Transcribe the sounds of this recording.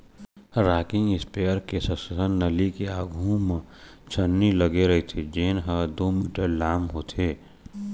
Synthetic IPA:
ɾaːkɪ̃ŋɪspeəɾkesə̃səsənːəlikeaːɡʱũmẽ | t͡ʃʰənːiləɡeɾəɦit̪ʰid͡ʒeːnɦəd̪omiːʈəɾlaːmɦoːt̪ʰeː

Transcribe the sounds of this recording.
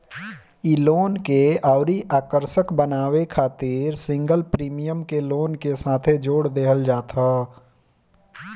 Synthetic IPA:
iloːnkeaːʊɾiʔaːkəɾʃəkbənaːwekʰaːt̪iːɾsɪ̃ŋɡəlpɾiːmijəmkeloːnkesaːt̪ʰed͡ʒoːɽd̪eːɦəld͡ʒaːt̪ʰaː

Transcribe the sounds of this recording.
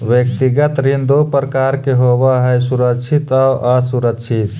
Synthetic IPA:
ʋjək̚t̪iɡət̪ɾind̪opɾəkaɾkeɦobaɦəjsuɾəkt͡ʃʰit̪aʔasuɾəkt͡ʃʰit̪

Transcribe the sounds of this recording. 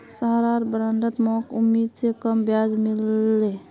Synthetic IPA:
səɦɾaɾbɾãnd̪ət̪mɔkumːid̪sekəmbjad͡ʒmilːe

